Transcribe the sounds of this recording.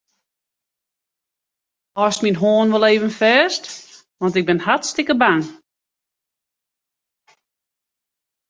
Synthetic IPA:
ɔsminɦoːnʋɔlˠeːvənfɛːst | ʋɔntɪk̚bɪnhatstɪkəbaŋ

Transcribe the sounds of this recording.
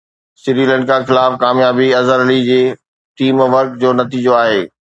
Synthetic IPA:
sɪɾiːlə̃ːɳɖkʰãːxɪlaːfkaːmjaːbiɐzəɾɐlid͡ʑeː | ʈiːmʋəɾkd͡ʑoːnɐt̪iːd͡ʑoaːɦeː

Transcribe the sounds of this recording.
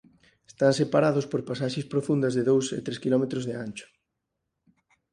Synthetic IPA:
e̥st̪ansepaɾaðʊspoɾpasaʃespɾofund̪ɐzðeðowsḛt̪ɾeskilɔmet̪ɾʊzðeant͡ʃʊ̥

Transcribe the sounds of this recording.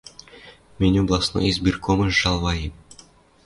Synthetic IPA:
mʲenʲoblˠɑsno̰izʲbʲirkʰomɤ̆ʒɑlˠʋɑjim

